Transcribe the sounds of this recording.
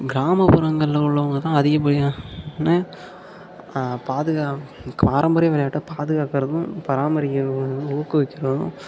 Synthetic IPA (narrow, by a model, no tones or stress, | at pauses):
ɡɪɾaːmɐpʊɾɐŋɡɐɭlɐʊɭːɐʋɐŋɡɐt̪ãːɐðɪɣɐp̬ːɐɽɪjaːnɯ | paːðɯɣaːkaːɾɐmbɐɾɐjʋɐlɐjaːʈːɐpaːðɯɣaːkɐɾɐðʊ̃pɐɾaːmɐɾɪkːɐɐɐɯ̃ʊɣɐkːɯʋɪkːɪɾɐðʊ̰̃